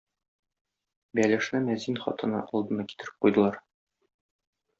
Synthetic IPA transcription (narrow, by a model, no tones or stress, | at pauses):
bælɘ̆ʃ̆næmæzinχɒ̰t̪ɤ̆nɑ̰ʔɒlˠd̪ɤ̆nɑki̥t̪ɘ̆ɾɘ̥p̚qujd̪ɤ̆lˠɑɾ